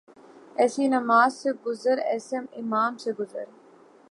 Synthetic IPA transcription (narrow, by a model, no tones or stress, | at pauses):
esiːnɐmaːzseɡuzɐɾesɐmimaːmseɡuzɐ̰ɾ